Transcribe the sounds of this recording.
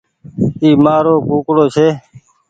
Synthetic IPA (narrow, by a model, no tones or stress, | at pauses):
iːmaːɾoːkuːkɽoːt͡ʃʰeː